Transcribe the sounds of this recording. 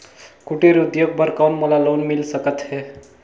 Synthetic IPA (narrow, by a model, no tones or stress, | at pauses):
kuʈeɾud̪joɡ̚bəɾkawnməlalonmilsəkət̪ɦɛ